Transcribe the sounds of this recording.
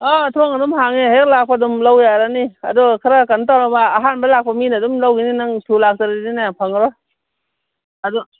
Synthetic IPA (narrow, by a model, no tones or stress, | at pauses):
ɔt̪ʰɔŋadumɦaŋeɦak̚lak̚pʰadumlawjaɾania̰dɔkʰaɾakantawnabaːɦanbalak̚paminadumlawɡininaŋtʰulak̚taɾidinapʰaŋɾɔ | adɔ